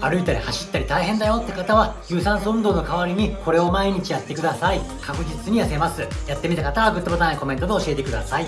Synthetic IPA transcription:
aɾɯ̟it̪aɾʲehaɕi̥t̪ːaɾʲit̪aiɦẽ̞nd̪ajo̞t̪ːe̞kat̪aβaçɯːsãɰ̃soɯ̃nd̪o̞ːno̞kaβaɾʲiɲ̟iko̞ɾe̞o̞maiɲ̟it͡ɕijat̪ːe̞kɯd̪asaikʰakɯ̟d͡ʑit͡sɨɲ̟ijase̞masɨjat̪ːe̞mʲit̪akat̪aβaɡɯ̟t̪ːobot̪anaiko̞mẽ̞nt̪o̞d̪eoɕie̞t̪e̞kɯ̟d̪asai

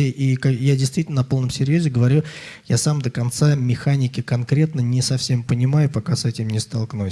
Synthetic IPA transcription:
əʔikajadʲɪjst̪vitʲɪlnənɐpo̞lˠnəmsʲɪɾʲjozʲɪɡəvɐɾʲujasamd̪əkɐnt̪samʲɪxanʲɪkʲɪkɐnkɾʲe̞t̪nənʲɪsɐfsʲe̞mpənʲɪmajʊpɐkasɛtʲɪmnʲɪst̪ɐlˠknu

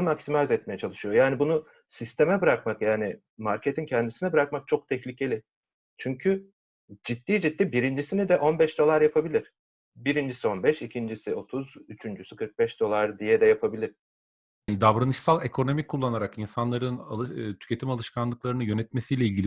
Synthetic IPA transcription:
nmaksimazɛt̪̚mejɛt͡ʃʰalˠɯʃɯjo̞jaːnibunu | sist̪ʰe̞mɛbɯɾak̚makjaːni | maɾcʰe̞t̪ʰincʰɛnd̪isinɛbɯɾakmak̚t͡ʃʰo̞k̚t̪ʰɛçlʲicʰe̞lʲɪ | t͡ʃʰyɲcʰy | d͡ʒit̪ːiːd͡ʒit̪ːibiɾind͡ʒisinid̪ɛʔo̞nbɛʃd̪o̞lˠaɾjapʰabilʲiɾ̥ | biɾind͡ʒisio̞nbɛʃicʰind͡ʒisɪo̞t̪ʰuzyt͡ʃʰynd͡ʒysykʰɯɾk̚bɛʃd̪̥o̞lˠaɾd̪ijɛd̪ɛjapʰabilʲiɾ̥ | nid̪avɾanɯʃsalˠe̞kʰo̞no̞mikʰːulˠːanaɾakinsanlˠaɾɯnat̪ʰy̥cʰe̞t̪ʰimalˠɯʃkʰanlˠɯk̚lˠaɾɯnɯjø̞nɛt̪mesijlʲɛilʲɟʲilʲi

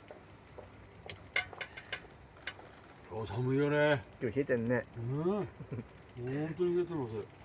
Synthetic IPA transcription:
kʲʰoːsʰamɯionekʲoːçiet̪enːee | ont̪oɲihiet̪emas̬e

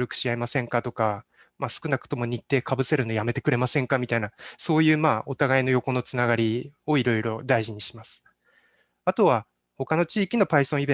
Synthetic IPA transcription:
ɾɯ̟kɯ̟̥ɕiaimasẽ̞ŋkat̪o̞ka | masɨ̥kɯnakɯ̟̥t̪o̞mo̞ɲ̟it̪ːe̞kabɯ̟se̞ɾɯ̟nojame̞t̪e̞kɯ̟ɾe̞masẽ̞ŋkamʲit̪ainaso̞ːjɯ̟ːmaːo̞t̪aɡaino̞jo̞ko̞no̞t͡sɨnaɡaɾʲio̞iɾo̞iɾo̞d̪aiʑiɲ̟iɕi̥masɨ̥ | at̪o̞βa | ho̞kano̞t͡ɕiːkʲino̞paisõ̞ibẽ

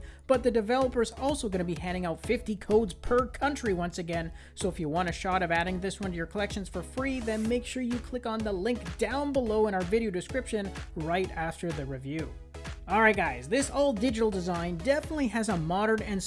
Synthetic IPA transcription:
b̥ʌt̪̚ðɨdɨvɛlˠəpə˞zɔlˠsoʊɡʌnɨbihæ̃ndɪ̃ŋaʊtfɪftikʰoʊdz̥pʰə˞kʰʌ̃nt͡ʃɹ̥iwʌ̃nsɨɡɛ̃n | soʊəfjɨwɑ̃ɾ̃ɨʃɑɾʌvæɾɪ̃ŋðɪswʌ̃ntɨjə˞kʰəlɛkʃɨ̃nz̥fə˞fɹiðɨ̃nmeɪkʃʊɹjɨkʰl̥ɪkn̩ðəlɪ̃ŋk̚d̥ãʊ̃nbəloʊə̃ɾ̃aʊə˞vɪɾioʊdɨskɹ̥ɪpʃɨ̃nɹaɪɾæftə˞ðɨɹivjʉ | ɔlˠɹaɪt̚ɡ̥aɪzðɪsɔlˠdɪd͡ʒɨɾl̩ˠdɨzãɪ̃ndɛfənətˡliɨzəmɑɾə̃˞nɨ̃ns

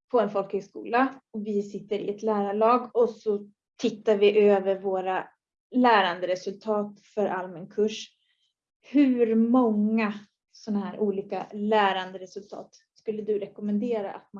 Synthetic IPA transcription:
pʰɔɛnfɔlk̪ɪɡskṵːlaɔvɪsɪt̪ːəɾɪ̰ɛt̪læːɾaɭɑːɡɔsɔ | t̪ʰɪt̪ːaɾvɪʔøːvəɾvoːɾa | læːɾand̪əɾɛsɵlt̪ʰɑːt̪fœɾʔalmɛnkʰɵʂ | hʉɾmɔŋːa | sɔnːaɦæːɾʔuːliːka̰læːɾand̪əɾɛsɵlt̪ʰɑ̰ːt̪ | skɵlːəd̪ɵɾɛkɔʊmɛnd̪eːɾa̰ʔat̪̚ma

